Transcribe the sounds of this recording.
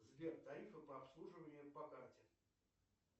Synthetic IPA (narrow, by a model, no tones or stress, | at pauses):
zbʲert̪ɐɾʲifɨpəɐpslˠuʐɨvənʲɪjʊpɐkatʲɪ